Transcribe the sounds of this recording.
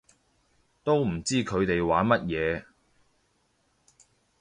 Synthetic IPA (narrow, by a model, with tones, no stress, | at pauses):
t̪o˥wm̩˨˩t͡siː˥kʰɵ˨˧ɥt̪e˨jwaː˨˥nmɐ˥t̚jɛː˨˧